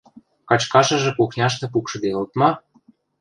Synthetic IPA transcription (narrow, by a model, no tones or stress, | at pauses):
kɑt͡ɕkɑʃɤ̆ʒĕkuxnʲɑʃ̬t̪ĕp̬ukʃɤ̆d̪eɤlt̪mɑ